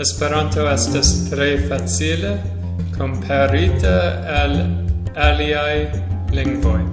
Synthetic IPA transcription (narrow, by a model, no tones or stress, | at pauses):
espeɾantoestastɾefat͡sile | kʰompʰaɾitʰa | alaliaj | liŋɡvoj